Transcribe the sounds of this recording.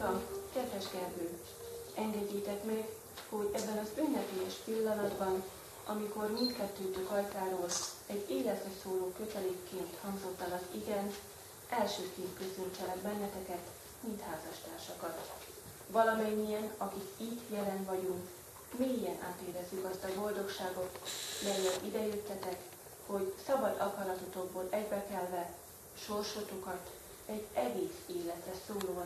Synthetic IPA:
ɒmkɛd̪vɛʒɡɛrbøː | ɛŋɡɛɟːeːt̪ɛkmɛɡ | ho̞ɟɛbːɛnɒzønːɛpeːjɛʃpilːɒnɒd̪bɒn | ɒmiko̞rmint̪kɛt̪ːøːt̪økɒlt̪aːɾoːlɛɟeːlɛt̪høsoːloːkø̞t̪ɛleːkːeːnt̪hɒŋɡzo̞t̪ːɒlɒziɡɛn | ʔɛlʃøːkeːnt̪køsønt͡ʃɛlɛɡbɛnːɛt̪ɛkɛt̪ | mint̪haːzɒʃt̪aːrʃɒkɒt̪ | vɒlɒmɛɲːijɛnɒkikiːt̪jɛlɛnvɒɟuŋk | meːijɛnʔa̰ːt̪eːɾɛzːykɒst̪ɒbo̞ld̪o̞kʃaːɡo̞t̪mɛjːɛlʔid̪ɛjøt̪ːɛt̪ɛk | ho̞ɟsɒbɒd̪ɒkɒlɒt̪ot̪o̞ɡ̚boːlɛɟbɛkɛlvɛ | ʃo̞rʃoːt̪okɒt̪ | ɛɟɛɡeːseːlɛt̪rɛsoːloː

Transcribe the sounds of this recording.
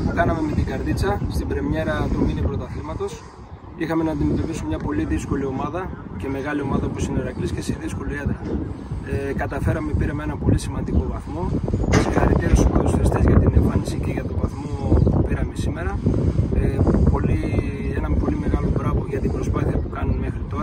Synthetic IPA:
kɐnɐme̞me̞t̪iɡɐɾðit͡sɐst̪ibɾe̞mɲe̞ɾɐt̪uminipɾot̪ɐθimɐt̪o̞s | ixɐme̞nɐːnd̪ime̞t̪o̞pisumɲɐpo̞liðisko̞lio̞mɐðɐce̞me̞ɣɐlio̞mɐðɐoposineɾɐklisce̞siðisko̞liet̪ɐ | ekɐt̪ɐfe̞ɾɐmepiɾɐmee̞nɐpo̞lisimɐnd̪iko̞vɐθmo̞sexɐ̰ɾit̪eɾusipɐlusiist̪ezʝɐt̪ineɱfɐnisice̞ʝɐt̪o̞vɐθmo̞pupiɾɐmesime̞ɾɐ | po̞lienɐpo̞lime̞ɣɐlo̞p̪ɾɐvoʝɐt̪ibɾo̞spɐθiɐpukɐnunme̞xɾit̪oɾɐ

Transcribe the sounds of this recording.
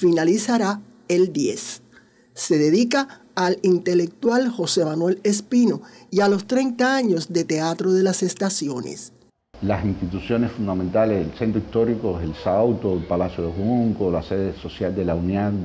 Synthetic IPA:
finalisaɾa | e̞ld̪je̞sː | e̞ðe̞ðikaː | lint̪e̞le̞k̚t̪walho̞se̞manwe̞le̞s̬pino̞ialo̞st̪ɾe̞nt̪aaɲo̞sd̪et̪e̞at̪ɾo̞ðe̞lase̞st̪asjo̞nḛs | lasinst̪it̪usjo̞nesfund̪amẽnt̪aleselsent̪ɾoist̪o̞ɾikoeselsawt̪oelpalasjoðehuŋkolaseðeso̞sjald̪elaunian

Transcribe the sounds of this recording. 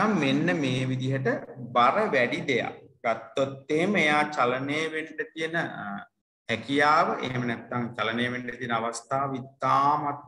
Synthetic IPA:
amʋenːəmeːʋid̪iɦəʈəbaɾəʋɛɖid̪eja̰ɡ̥at̪ːot̪ːeɦeməejaːt͡ʃalɐneːʋeɳʈət̪ijənə | hɛkijaːʋəʔḛɦmənɛt̪ːaŋt͡ʃalɐneːʋeɳʈət̪ijənəaʋast̪aːʋəit̪ːaːmat̪̚

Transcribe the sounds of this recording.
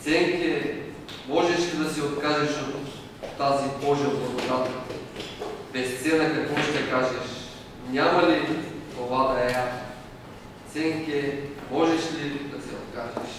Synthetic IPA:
t̪sɛŋkʲɛ | mɔʒɛʃlid̪ɐsɛot̪kaʒɛʃot̪ː | azibɔʒɛod̪op̪ot̪at̪ | bɛst̪sɛnɐkɐkvɔʃt̪ɛkaʒɛʃ | nʲamɐlit̪ovad̪ɐɛa | t̪sɛŋkʲɛmɔʒɛʃlid̪ɐsɛot̪kaʒɛʃ

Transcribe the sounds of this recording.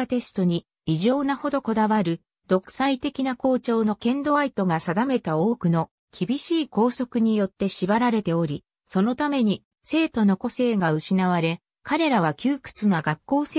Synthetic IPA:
at̪e̞sɨ̥t̪o̞ɲ̟iː | ʑo̞ːnaho̞d̪o̞ko̞d̪aβaɾɯ̟ | d̪̥o̞kɯ̥sait̪e̞kʲinako̞ːt͡ɕo̞ːno̞kẽ̞nd̪o̞ait̪o̞ɡasad̪ame̞t̪ao̞ːkɯ̟no̞ | kʲibʲiɕiːko̞ːso̞kɯ̟ɲ̟ijo̞t̪ːe̞ɕibaɾaɾe̞t̪e̞o̞ɾʲi | so̞no̞t̪ame̞ɲ̟i | se̞ːt̪o̞no̞ko̞se̞ːɡaɯ̟ɕinaβ̞aɾe̞ | kaɾe̞ɾaβakʲɨːkɯ̥t͡sɨnaɡakːo̞ːse

